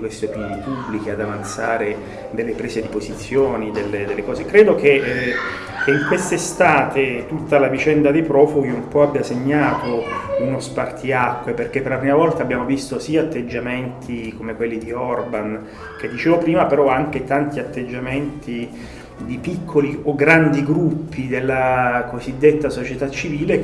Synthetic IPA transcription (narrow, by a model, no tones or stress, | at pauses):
kwest̪eopinonipubːlikead̪avant̪saːɾe | d̪elːepɾɛːsed̪ipozit̪sːjoːnid̪elːed̪elːekɔːzekɾeːd̪ok̟e | kʰeiŋkwest̪est̪aːt̪et̪ut̪ːalavit͡ʃɛnd̪ad̪epɾɔːfuɡiumpɔabjaseɲːaːt̪ounospart̪iakːweperk̟epːerɾlapɾimavɔlt̪aːbːjaːmovist̪osiːaat̪ːed͡ʒːament̪ʰikomekwelːid̪iɔrban | k̟ed̪ːit͡ʃeːvopɾiːmapeɾɔaŋk̟et̪ant̪iat̪ːed͡ʒːament̪ʰi | d̪ipikʰːolioɡɾand̪iɡɾupːid̪elːakozid̪ːet̪ːasot͡ʃet̪at͡ʃːiviːle